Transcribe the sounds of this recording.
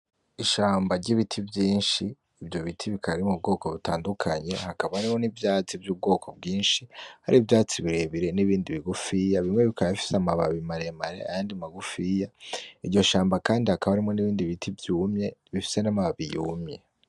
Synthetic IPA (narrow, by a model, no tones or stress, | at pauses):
iʃaːmbaɾɟiβitʰibjiːnʃiː | bjo̞βitʰiβikʰaɾimub̚ɡo̞ːko̞βutaːndukʰaɲe̞̰hakaβaaɾimo̞nivjaːt͡sivjuːb̚ɡo̞ːko̞b̚ɡiːnʃiha̰ɾivjaːt͡siβiɾe̞βiɾe̞niβiːndiβiɡufijaβimŋe̞βikajafi̥seamaβaβimaɾe̞maɾea̰jaːndimaɡufijaiɾɟo̞ʃaːmbakaːndihakaβaɾimŋo̞niβiːndiβitʰivjuːmɲe̞βifi̥se̞namaβaβijuːmje̞̰